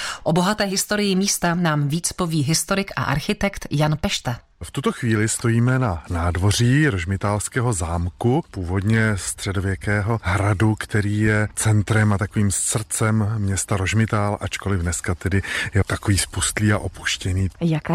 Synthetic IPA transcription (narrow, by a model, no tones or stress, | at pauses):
ʔobo̞ɦat̪ɛːɦɪst̪o̞ɾɪjɪmiːst̪anaːmviːt͡spo̞viːɦɪst̪o̞ɾɪkʔa̰ʔaɾxɪt̪ɛkt̪janpɛʃt̪a | ft̪ut̪o̞xviːlɪst̪o̞jiːmɛnanaːdvo̞r̝iːɾoʒmɪt̪aːlskɛːɦo̞zaːmkupuːvo̞dɲɛst̪r̝̥ɛdo̞vjɛkɛːɦo̞ɦɾadukt̪ɛɾiːjɛt͡sɛnt̪ɾɛmat̪ako̞viːmssr̩t͡sɛmːɲɛst̪aɾo̞ʒmɪt̪aːlʔat͡ʃko̞lɪvdnɛskat̪ɛdɪjɛt̪akoviːspust̪liːa̰ʔo̞pu̥ʃcɛniːjaka